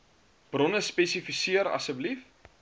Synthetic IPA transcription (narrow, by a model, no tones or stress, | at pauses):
b̥rɔnəspɛsifisiəɾɐ̰səblif